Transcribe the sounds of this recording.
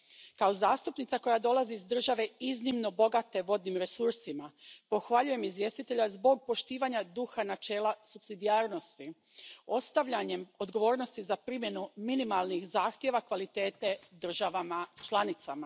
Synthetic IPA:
kao̞zaːst̪upnit̪sako̞jad̪o̞lˠaziːzd̪r̩ʒaʋe̞iznimno̞bo̞ɡat̪e̞ʋo̞d̪nimɾe̞suɾsimapo̞xʋaʎuje̞mizʋje̞st̪it̪e̞ʎazbo̞ɡ̚po̞ʃt̪iːʋaɲad̪uxanat͡ʃe̞ːlasupsid̪ijaːɾno̞st̪i | o̞st̪aʋʎaɲe̞mo̞d̪ɡo̞ʋo̞ːɾno̞st̪izapɾimje̞numinimalˠnixzaːxt̪je̞ʋakʋalit̪e̞ːt̪e̞d̪r̩ʒaʋamat͡ʃlˠanit̪sama

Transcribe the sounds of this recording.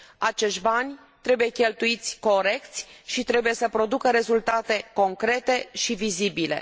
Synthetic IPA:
at͡ʃe̞ʃt̪ʲbanʲ | t̪ɾe̞buje̞kʲe̞lt̪uit̪sʲko̞ɾe̞kt̪sʲʃit̪ɾe̞buje̞səpɾo̞d̪ukəɾe̞zult̪at̪e̞ko̞ŋkɾe̞t̪e̞ʃivizibile̞̰

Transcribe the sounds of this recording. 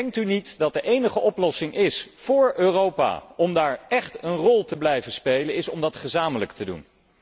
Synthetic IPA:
ɛŋk̚tynitdɑt̚dəʔejnəχəʔɔplɔsɪŋʔɪsfʊːɹøːrowpa̰ɔmdaːɹʔɛχtənrɔlˠtəblɛjvənspejlənɪsɔmdɑtχəzaːmələktədṵn

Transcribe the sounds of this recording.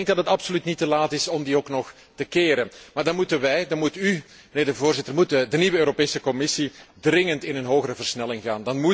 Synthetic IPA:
ŋɡ̚dɑtɦətɑpsolytnitəlaːtɪsɔmdioːknɔx | təkeːɾənmaːrdɑnmutənʋɛjdɑnmuty | məneɪːrdəvoːrzɪtərmutdəniʋəøːɾopeːsəkɔmɪsidrɪŋəntɪnənɦoːɣərəvərsnɛlɪŋɣaːndɑnmu

